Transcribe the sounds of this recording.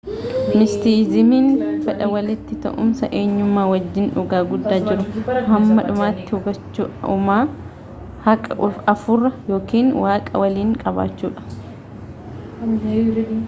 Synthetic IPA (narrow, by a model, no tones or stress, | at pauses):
mɪst̪iːzɪmiːnfɛᶑɐwɐlɪt̪ːɪt̪ɐ̰ʔʊ̰msɐʔeːɲːʊmːaːwɐd͡ʒːɪnᶑʊɡaːɡʊd̪ːaːd͡ʒɪɾʊhɐmːɐᶑʊmaːt̪ːɪhʊɡɐt͡ʃːṵːʊmaː | hɐkʼɐ̰ʔʊfɐfʊrːɐjo̞ːkiːnwaːkʼɐ̰wɐliːŋkʼɐba̰ːt͡ʃːuːᶑɐ̥